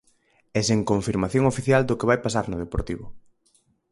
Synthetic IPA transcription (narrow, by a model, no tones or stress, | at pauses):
ɛseŋkoɱfiɾmaθjoŋofiθjald̪ʊkeβajpasaɾnʊð̞epoɾt̪iβʊ